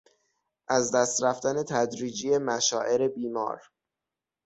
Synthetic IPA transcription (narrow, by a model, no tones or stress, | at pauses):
ʔæzd̪æst̪ɾæft̪æne̞t̪ʰæd̪ɾiːd͡ʒijemæʃɒːʔe̞ɾe̞biːmɒ̰ːɾ